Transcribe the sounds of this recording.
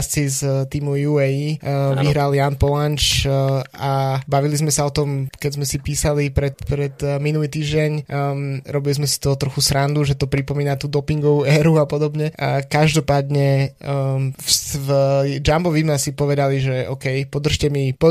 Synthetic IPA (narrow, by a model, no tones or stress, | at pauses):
st͡sizt̪iːmujuɛiʋiɦɾaljanpɔlant͡ʃ | abaʋilizmɛsaɔt̪ɔmkɛɟzmɛsipiːsalipɾɛt̪pɾɛd̪minuliːt̪iːʒɟɛɲ | ɾɔbilizmɛsi̥t̪ɔɦɔt̪ɾɔxusɾand̪uʒɛt̪ɔpɾipɔmiːnat̪uːd̪ɔpiŋɡɔuɛːɾuapɔd̪ɔbɲɛkaʒd̪ɔpaːd̪ɲɛ | fvd͡ʒambɔʋizmɛasipɔʋɛd̪aliʒɛɔ̰kɛjpɔd̪r̩ʃcɛmipɔ